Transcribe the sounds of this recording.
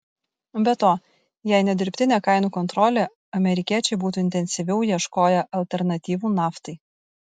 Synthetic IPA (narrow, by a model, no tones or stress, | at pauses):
bʲɛt̪oː | jæɪnʲɛd̪ʲɪɾʲpʲt̪ʲɪnʲeːkɑˑɪnuːkɔnt̪ɾɔlʲeː | ɐmʲɛɾʲɪkʲiɛt͡ʃʲɛɪbuːt̪uːɪnʲt̪ʲɛnʲsʲɪʋʲɛʊjiɛʃkoːjɛʔɐlʲt̪ʲɛɾnɐt̪ʲiːʋuːnɑːft̪ɐɪ